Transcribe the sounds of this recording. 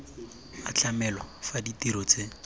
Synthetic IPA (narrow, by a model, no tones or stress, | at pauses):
a̰t͡ɬamɛlɔfaditiɾɔt͡sʼe